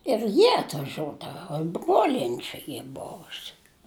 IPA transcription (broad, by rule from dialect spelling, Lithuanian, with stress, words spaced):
ɪr ˈjiɛ ɐtʋɐˈʒʲuɔdɐʋɐ ɪ ˈbruɔlʲiɛnʲɪ ˈt͡ʃʲɛ ˈiː ˈboːʋʊsʲɪ